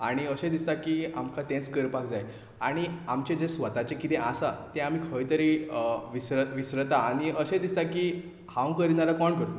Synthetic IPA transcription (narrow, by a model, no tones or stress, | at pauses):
aɽ̃iəɕẽd̪ist̪akiːamkʰat̪ẽt͡skəɾpakd͡zaj | aɽ̃iamt͡ɕed͡zesʋət̪at͡ɕekit̪eʔasat̪ẽam̤iːkʰəjt̪əɾiʋisɾəʋisɾət̪aːɽ̃iəɕẽd̪ist̪akiː | hãw̃kəɾinalakɔɳkəɾt̪o